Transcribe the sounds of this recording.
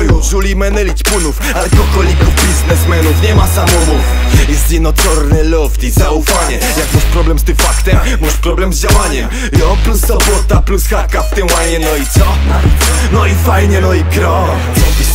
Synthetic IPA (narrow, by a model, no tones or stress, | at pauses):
jɔ̃wʐulʲimɛnɛlʲit̪punuf | alɛkɔkɔlʲikubʲiznɛsmɛnufɲɛmasamɔmuk | jɛst̪jɛd̪nɔtɔɾnɛlɔft̪ʲizaufaɲɛ | jakmuʂpɾɔblɛmst̪ɪmfakt̪ɛmːuʂpɾɔblɛmzd͡ʑawaɲɛm | jɔplusɔbɔt̪aplusxakaft̪ɛwajɲɛnɔisɔna | nɔifajɲɛnɔikɾɔ